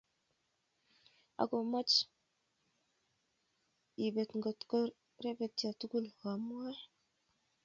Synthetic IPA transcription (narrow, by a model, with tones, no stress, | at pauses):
a̰˨ɡo˨ma˦t͡ʃ | i˨be˨t̪ŋɡɔ˨t̪kɔ˦ɾ | ɾe˦bɛ˨t̚a˨tu˦ku˦lwa˨m˦a˦